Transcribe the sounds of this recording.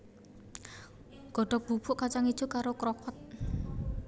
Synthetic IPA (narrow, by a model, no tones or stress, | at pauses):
ɡ̥ɔ̤ɖ̥ɔ̤k̚b̥ṳb̥ʊ̤ʔkat͡ʃaŋi̥ʒ̥ṳkaɾokɾɔkɔt̪̚